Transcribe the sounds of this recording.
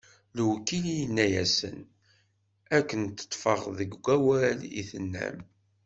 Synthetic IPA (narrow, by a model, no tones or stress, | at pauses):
lwkːilijənːæjæsə̰n | ækːənt̪ːə̥t̪ˤːfəʁðəɡɡʷæwælḭθənːæ̰m